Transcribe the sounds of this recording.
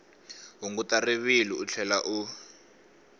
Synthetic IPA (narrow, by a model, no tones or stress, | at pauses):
ɦuŋɡutariβiliut͡ɬʰɛlaʔu